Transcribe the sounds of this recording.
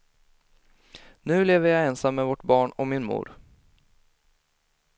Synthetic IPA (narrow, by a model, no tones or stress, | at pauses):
nʉ̟ːleːvəjajɛːnsamːɛvɔʈbɑːɳɔmɪnmṵːɾ